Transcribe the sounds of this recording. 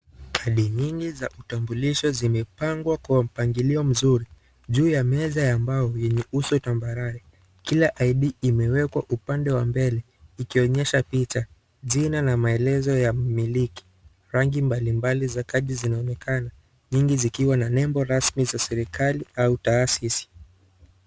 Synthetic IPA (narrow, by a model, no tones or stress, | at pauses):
kʰaɗiɲiŋɡizaʔutambuliʃɔzimɛpaŋɡwakuwam̩paŋɡiliɔm̩zuɾi | ʄuːjamɛzajambajɔjɛɲɛusɔtambaɾaɾɛ | kilaʔaiɗiːmɛwɛkwaʔupandɛwambɛlɛ | ikiɔɲɛʃapit͡ʃa | zinanamaɛlɛzɔjamiliki̥ | ɾaŋɡimbalimbalizakaʄizinaɔnɛkʰana | ɲiŋɡizikiwananɛmbɔɾasmizasɛɾikaliautaːsisi̥